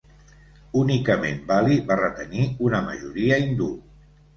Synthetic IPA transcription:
unikəmḛnbaliβarət̪əniunəmə̰ʒuɾiəind̪ul

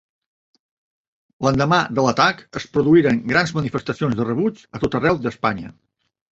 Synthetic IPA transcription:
lənd̪əmad̪ələt̪akəspɾuðuiɾəŋɡɾanzmənifəst̪əsionzðərəβut͡ʃət̪ot̪ərɛwðəspaɲə̰

